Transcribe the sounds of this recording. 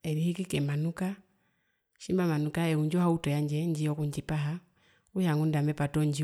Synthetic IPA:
ɛɾihikikɛmanuka | ʃimbamanukaɛuɲd͡ʒɔhautɔjaɲd͡ʒɛɲd͡ʒiɔkuɲd͡ʒipaɦa | uhaŋundamɛpatɔɲd͡ʒi

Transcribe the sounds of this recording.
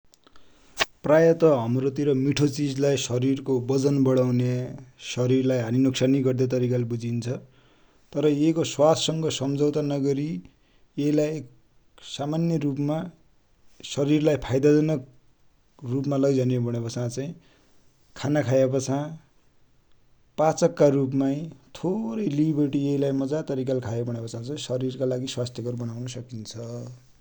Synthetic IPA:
prajʌt̪ʌɦʌmrot̪iɾʌmiʈʰot͡sid͡zlajsʌɾirkobʌd͡zʌnbʌɽawnesʌɾirlajɦaninʌksaniɡʌrd̪et̪̬ʌɾikalebud͡zint͡sʰʌ | t̪ʌɾʌjekoswatsʌŋɡʌsʌmd͡zʌwt̪anʌɡʌɾi | elajek | samanjʌrupma | sʌɾirlajpʰajd̪ad͡zʌnʌk̚ | rupmalʌɡd͡zʱʌnebʌɽ̃epʌt͡sʰãt͡saĩ | kʰanakʰajepʌt͡sʰã | pat͡sʌkːarupmaj̃t̪ʰoɾʌjlibʌrʈieɦilajmʌd͡zat̪ʌɾikalkʰajebʌɽ̃epʌt͡sʰãt͡sʌ̃sʌɾirkalaɡiswast̪ʰjʌɡʌɾbʌnawnʌsʌkint͡sʰʌ

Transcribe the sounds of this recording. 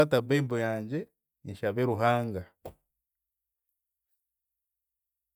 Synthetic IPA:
ataβeːmbojaːɲɟe | iɲʃaβeɾuɦaːŋɡa

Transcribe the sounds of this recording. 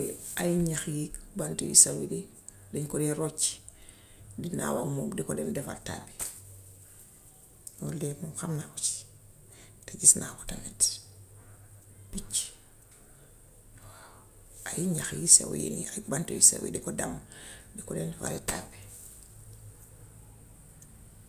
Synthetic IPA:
ajiɲaxjikbantojḭsawidi | diɲkodiɾot͡ʃi̥ | dina̰wamudikodendefa̰lta̰be̥ | nolemuxamnaɾot͡ʃ | taɟisnʔawotanet | b̥it͡ʃ | wa | ajiɲaxjisa̰wjḭnajbantojisa̰wḭdikodamdikodendefa̰litabe

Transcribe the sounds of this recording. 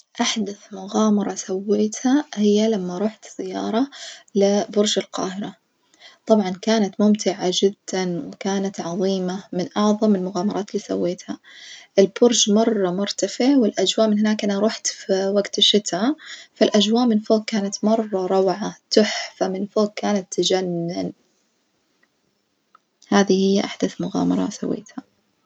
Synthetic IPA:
ʔaħd̪aθmʊɣaːmɑɾˤɑsawːeːt̪hahɪjːalamːaɾˤuːħt̪z̥ɪjːɑ̰ːɾˤɑlɪbʊɾʒalqɑ̰ːhɪɾa | t̪ˤɑbʕɑnkaːnat̪mʊmt̪ʰɪʕad͡ʒɪd̪ːanwɪkaːnat̪ʕɑðˤiːmamɪnʔɑʕðˤɑmɪlmʊɣaːmɑɾˤɑːt̪liːsa̰wːeːt̪haʔɪlbʊɾʒmɑrˤːɑmʊɾt̪afɪʕwɪlʔad͡ʒwaːʔmɪnhɪnaːkʔanaɾˤuːħt̪fiwaɡt̪ʃɪt̪afalʔad͡ʒwaːʔmɪnfoːɡ̚kaːnat̪mɑrˤːɑɾˤɑwʕat̪ʊħfamɪnfoːɡ̚kaːnat̪ʰːad͡ʒanːɪn | haːðihɪjːʔaħd̪aθmʊɣa̰ːmɑ̰ɾˤɑ̰sa̰wːḛːt̪ha

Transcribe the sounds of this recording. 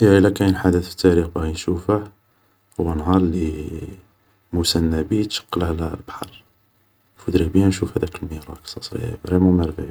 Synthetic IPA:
jæəlːækæjnəlħad̪ət̪fə̥t̪ːæɾixbæɣinʃufəh | hʊwːænɦɑɾˤli | musænːæbit̪ʃə̥qːələhllbħɑ̰ɾˤ | fud̪ɾibjænʃufhæd̪ækəlmiɾˤɑksˤɑsˤḭjæ̰bɾimumæɾfəʕ

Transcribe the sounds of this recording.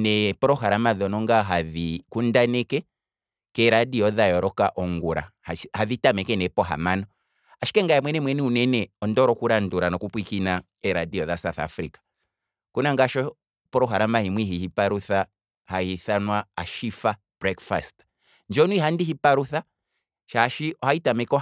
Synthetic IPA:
nɛpɔɾɔɦaɾamaðɔnɔŋɡaɦaðikundanɛkɛ | kɛɾadiɔðajɔɾɔkaʔɔŋɡuɾa̰hahaðitamɛkɛnɛpɔɦa̰manɔ | aʃi̥kɛŋɡajamwɛnɛmwɛnɛunɛnɛɔndɔɾɔkuɾanduɾanɔkupwikina | ɛɾadiɔðasaθa̰fɾikḁ | kunaŋɡaʃɔ | pɔɾɔɦaɾamahimwiɦihipaɾuθa | hahiθanwaaʃifa | b̥ɾɛkfa̰st | nd͡ʒɔnwihandiɦipaɾuθa | ʃaʃiɔhaitamɛkɔ

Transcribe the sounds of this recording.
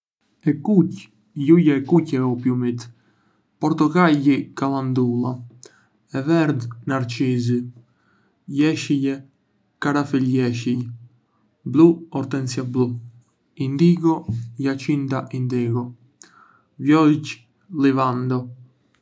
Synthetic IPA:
ɛkuc | jujɛɛkucɛɔpjumit̪ | pɔɾt̪ɔɡaʎikalˠand̪ulˠa | ɛvɛɾd̪naɾt͡ʃizi | jɛʃijɛ | kaɾafiljɛʃij | bluɔɾt̪ɛnt͡siablu | ind̪iɡɔjat͡ʃind̪aʔind̪ɛɡɔ | vjɔc | livand̪ɔ

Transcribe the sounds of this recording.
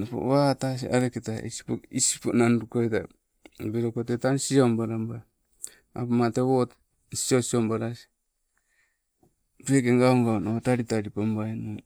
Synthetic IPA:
napo̰βatas̬ḭʔaɾeketaḭsi̥po̰kisi̥ponanɾukoeta̰ | beɾokotetansiombaɾamba | apamateβot | siosiombaɾasi̥ | bekeŋɡaoŋɡaonotaɾitaɾipambaeno

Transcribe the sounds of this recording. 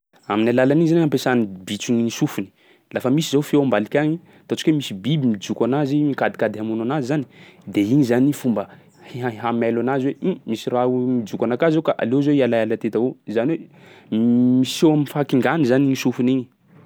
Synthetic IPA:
aminalalaniizaniampesanibit͡siɲinisufuni̥ | lafəmisizawfewambalikʲaɲi | t̪at͡ʃu̥kwemisibibimid͡ʒukʲanazimikad̪i̥kad̪amunanazizani̥d̪eiɲizanifumbə | hiaɦamalanazwemisiraumid͡ʒukanakazowkaʔa̰lezeialajalat̪et̪aozaniwe | misewaminfaakiŋɡanizaniŋisufuniɲi̥

